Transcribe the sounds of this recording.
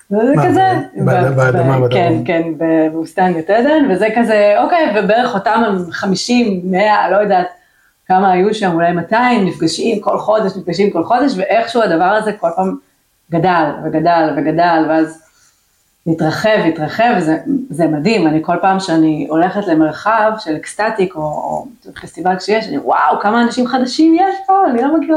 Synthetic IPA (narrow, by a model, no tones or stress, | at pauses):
vzekazɛ | kenkenbebeust̪anɡeted̪envezekazeo̞kejvebeeʁeχo̞tamhemχamiʃimːe̞alo̞jod̪aːt | kamaːjuʃamulajmataimnifɡaʃimko̞lχo̞deʃnifɡaʃimko̞lχo̞de̞ʃ̬veʔeχʃuadavaʁaze̞ko̞lpaːm | ɡadalveɡadalveɡadalveaz | itʁaχe̞veitʁaχe̞vzezemad̪himaniko̞lpaːmʃeanio̞leχet̪le̞me̞ʁχavʃelekst̪at̪iko̞̰tfest̪ivalʃejeʃanḭwa̰wkamaːnaʃimχad̪aʃimjeʃpoanilomaɡi